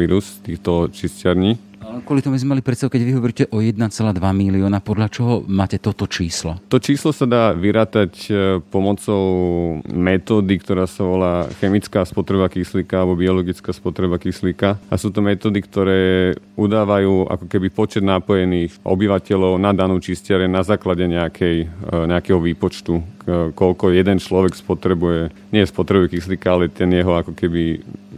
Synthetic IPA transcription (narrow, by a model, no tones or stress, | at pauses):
iɾust̪iːxt̪ɔt͡ʃiscaɾɲiː | aɛnkʊɔlit̪ɔmubizmɛmalipɾɛt̪st̪aʋukɛɟʋiɦɔʋɔɾicɛʔɔjɛd̪nat͡sɛlaːd̪ʋamiliɔːnapɔd̪lat͡ʃɔɦɔmaːcɛt̪ɔt̪ɔt͡ʃiːslɔt̪ɔt͡ʃiːslɔsad̪aːʋiɾaːt̪acpɔmɔt͡sɔʊmɛt̪ɔːd̪ikt̪ɔɾaːsaʋɔlaːxɛmit͡skaːspɔt̪ɾɛbakisliːkaalɛbɔbiɔlɔɡit͡skaːspɔt̪ɾɛbakislikaʔa̰suːt̪ɔmɛt̪ɔːd̪ikt̪ɔɾɛːud̪aːʋajuːʔa̰kɔkɛbipɔt͡ʃɛd̪napɔjɛniːxʔɔ̰biʋacɛʎɔʊnad̪anuːt͡ʃiscɪaɾɛnazaːklaɟɛɲɛakʰɛjɲɛakɛɦɔʋiːpɔt͡ʃt̪ukɔlkɔjɛd̪ɛnt͡ʃlɔʋɛkspɔt̪ɾɛbujɛ | ɲɪɛspɔt̪ɾɛbuʊjɛkislikaalɛt̪ɛnjɛɦɔakɔkɛbi